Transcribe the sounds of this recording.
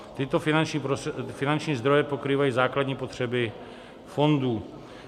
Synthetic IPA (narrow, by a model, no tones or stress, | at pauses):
t̪ɪt̪o̞fɪnant͡ʃɲiːpɾofɪnant͡ʃɲiːzd̪ɾo̞jɛpo̞kɾiːvajiːzaːkladɲiːpo̞t̪r̝̥ɛbɪ | fo̞nduː